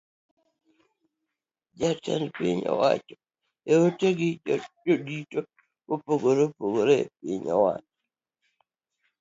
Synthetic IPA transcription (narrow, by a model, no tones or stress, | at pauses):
d͡ʒata̰npɪ̰ɲɔ̰wa̰t͡ʃɔ̥ | eoteɡɪd͡ʒodito | kopoɡoɾepoɡoɾep̚ɪɲɔ̰wa̰t͡ʃɔ